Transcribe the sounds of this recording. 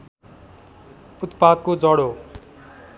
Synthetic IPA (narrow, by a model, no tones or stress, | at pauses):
ut̪pad̪̚kod͡zʌɽo